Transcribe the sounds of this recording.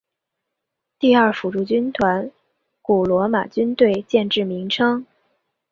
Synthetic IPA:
t̪i˥˧ɐ˞˥˩fu˨˩ʈ͡ʂu˥˩t͡ɕy˥nt̪ʰwa˧˥n | ku˨˩lwɔ˧˥ma̰˨˩t͡ɕy˥nt̪we˥˧ɪt͡ɕjɛ˥˧nʈ͡ʂɻ̩˥˩mi˧˥ŋʈ͡ʂʰɤ˥ŋ

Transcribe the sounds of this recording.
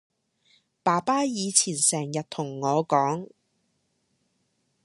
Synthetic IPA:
paː˨˩paː˥jiː˨˧t͡sʰiː˨˩nsɛː˨˩ŋjɐ˨t̚t̪ʰʊ˨˩ŋːɔː˨˧kɔː˨˥ŋ

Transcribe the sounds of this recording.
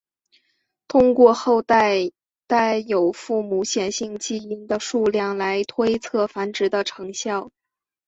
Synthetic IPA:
t̪ʰʊ˥ŋkwɔ˥˧xo˥˧ʊt̪a˥˩ɪ | t̪a˥˩ɪjo˨˩ʊfu˥˩mu˧˥ɕjɛ˨˩nɕi˥˧ŋt͡ɕi˥˩i˥˩nd̪ə˧ʂu˥˧ljɑ˥˩ŋla˧˥ɪt̪ʰwe˥ɪt͡sʰɤ˥˩fa˧˥nʈ͡ʂɻ̩˧˥d̪ə˧ʈ͡ʂʰɤ˧˥ŋɕjɑ˥˩ʊ

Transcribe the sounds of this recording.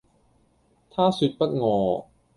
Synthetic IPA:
t̪ʰaː˥˩sy˨˥t̪̚pɐ˦˥t̪̚ŋɔː˨˧

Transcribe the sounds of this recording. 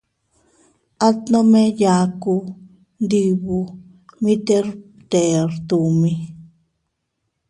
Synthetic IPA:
a˦t̪nõ˦mẽ˦ja˧ku˧ | nd̪i˧βu˧ | mĩ˦t̪e˦ɾ | t̪e˨ɾt̪u˨mĩ˧

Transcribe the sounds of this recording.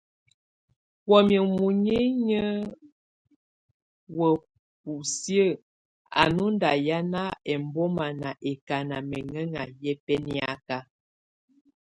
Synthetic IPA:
wɔ˨mə˨mu˨ɲi˦ɲə˦ | wə˨ | pu˨sjə˦˨ | a̰˨nu˦n˦da˨ja˦na˦ɛ˨m˨bɔ˦ma˨na˨ʔɛ˨ka˨na˨mɛ˨ŋə˦ŋa˨jɛ˦pɛ˦ni˦a˦ka˦

